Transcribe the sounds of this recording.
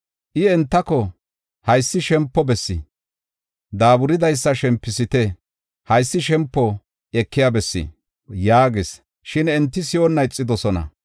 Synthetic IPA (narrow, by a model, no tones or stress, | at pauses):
ʔɪɛnt̪ːɐkɔ | hɐjsːɪʃɛmpːɔbɛsːɪ | d̪aːbʊɾɪd̪ɐjsːɐʃɛmpːɪsɪt̪ɛ | hɐjsːɪʃɛmpːɔ | ɛkːɪjabɛsːḭ | jaːɡɪs | ʃɪnɛnt̪ːɪsɪjonːɐjt͡sʼːɪd̪ɔsɔnɐ̰